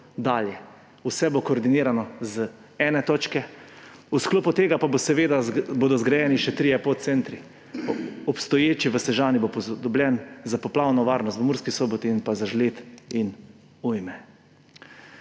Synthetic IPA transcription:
d̪aːljɛ | usɛbokoːɾd̪iniːɾanɔzə | ɛːnɛt̪oːt͡ʃkɛ | uskloːput̪eːɡapabosɛʋeːd̪aboːd̪ɔzɡɾajɛːniʃɛt̪ɾijɛpot̪t̪sɛnt̪ɾi | ɔpst̪ɔjeːt͡ʃiʋəsɛʒaːnibopɔd̪ɔbljɛnzapɔplawnɔʋaːɾnɔst̪ʋəmuːɾskisoːbɔt̪inpazaʒleːt̪in | ujmɛ

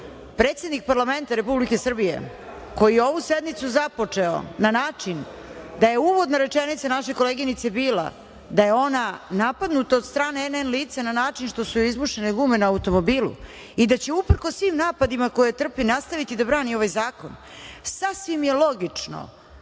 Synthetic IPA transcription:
pɾeːt̪sed̪nik̚paɾlame̞nt̪aɾe̞publike̞sr̩bije̞̰ | ko̞jijeo̞ʋused̪nit̪suzapo̞t͡ʂeo̰nanaːt͡ʂin | d̪aje̞uʋo̞d̪naɾe̞t͡ʂenit̪sanaʃe̞ko̞leːɡinit̪se̞biːla̰ | d̪ajeo̞nanapad̪nut̪aod̪st̪ɾaːneenenliːt̪sananaːt͡ʂinʃt̪o̞suizmuʃeneɡuːmenaaut̪o̞mobiːlˠṵ | id̪at͡ɕe̞upr̩kosːʋiːmnaːpad̪imako̞jet̪r̩pinast̪aʋit̪id̪abɾaːnio̞ʋajzaːko̞̰n | sasʋimjelˠo̞ɡit͡ʂno̰

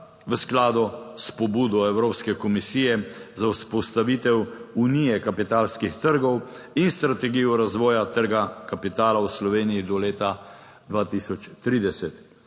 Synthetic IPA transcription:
ʋəsklaːd̪ɔspɔbuːd̪ɔɛwɾoːpskɛkɔmisiːjɛzauspɔst̪aʋiːt̪ɛwunijɛkapit̪aːlskixt̪əɾɡɔw | inst̪ɾat̪ɛɡijɔɾazʋɔːjat̪əɾɡakapit̪aːlawslɔʋeːnijid̪ɔleːt̪a | d̪ʋaːt̪isɔt͡ʃt̪ɾiːd̪ɛsɛt̪

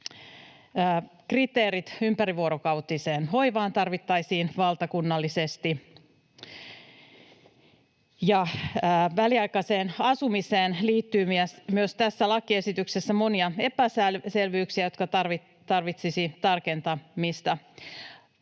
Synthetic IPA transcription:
krit̪eːɾit̪ympæɾiʋuo̞ɾokɑwt̪ise̞ːnʋo̞iʋɑːnt̪ɑrʋit̪ːɑjsiːnʋɑlt̪ɑkunːɑlːise̞st̪i | jɑː | ʋæliɑjkɑseːnɑsumiseːnliːt̪ːyːmiæsmyøst̪æsːælɑkːie̞sit̪yksesːæmo̞niɑe̞pæslse̞lʋyːksiæjo̞t̪kɑɑrʋi | t̪ɑrʋit̪sisit̪ɑrke̞nt̪ɑmist̪æ

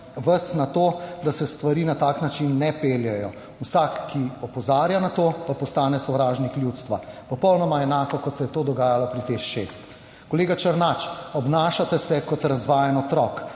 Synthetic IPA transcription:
ʋəsnat̪oːd̪asɛst̪ʋaɾiːnat̪aːknat͡ʃinːɛpeːljɛjɔ | wsakːiɔpɔzaːɾjanat̪opapɔst̪aːnɛsɔwɾaːʒnikljut̪st̪ʋapɔpɔwnɔmaɛnaːkɔkɔt̪sɛjɛt̪oːd̪ɔɡaːjalɔpɾit̪exʃest̪ | kɔleːɡat͡ʃəɾnat͡ʃɔbnaːʃat̪ɛsɛkɔt̪ɾazʋaːjɛnɔt̪ɾɔk

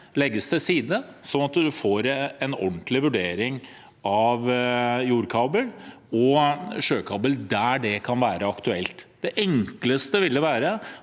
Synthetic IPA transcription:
lɛɡːəsd̪ɛsiːd̪əsɔnɑt̪d̪ʉfoːɾɛnɔ̰nt̪lɪʋʉɖeːɾɪŋ | ɑʋjuːɾkʰɑːbəl | ɔɕøːkʰɑːbəld̪æɖɛkʰɑnʋæːɾʔəɑkt̪ʉɛlt̪d̪ɛʔɛŋkləst̪əʋɪlːəʋæːɾə

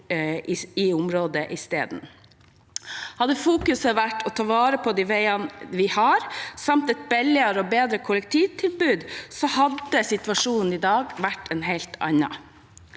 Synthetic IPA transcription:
ɪʊmɾoːd̪əʔɪst̪ḛːd̪n̩ | hɑd̪əfuːkʉsəʋæʈːɔt̪ʰɑːʋɑːɾəpʰɔd̪iʋæɪɑnʋɪhɑɾsɑmt̪ɛt̪̚bɛlːɪɑɾəɔbeːd̪ɾəkʰʊlɛk̚t̪ʰiːʋt̪ʰɪlbʉːd̪sɔhɑd̪əsɪt̪ʋɑʂuːnn̩ɪd̪ɑːɡʋæʈʰːɛnɦɛɪlt̪ʰɑ̰ɲɑ̰

